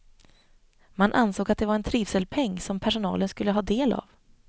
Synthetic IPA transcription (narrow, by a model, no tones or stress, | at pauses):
manʔansoːɡat̪̚d̪ɛvaɾɛnt̪ʰɾiːvsəlpʰɛŋːsɔmpʰæʂʊnɑ̰ːlənskɵlːəɦɑːd̪eːla̰v